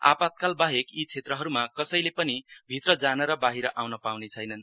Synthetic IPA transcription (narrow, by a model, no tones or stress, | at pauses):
a̰pat̪̚kalbaɦekit͡sʰet̪rʌɦʌɾumakʌsʌjlepʌnibʱit̪rʌd͡zanʌɾʌbaɦiɾʌʔawnʌpawnet͡sʰʌjnʌn